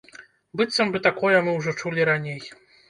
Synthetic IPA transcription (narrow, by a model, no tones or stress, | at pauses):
bɨt̪sɐmbɨt̪akɔjɛmɨwʐɔt͡ʂulʲiɾanʲej